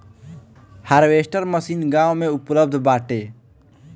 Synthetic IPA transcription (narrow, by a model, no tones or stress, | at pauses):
haɾʋeːsʈəɾməsiːnɡaːwmẽʊpləb̚d̪ʱbaːʈeː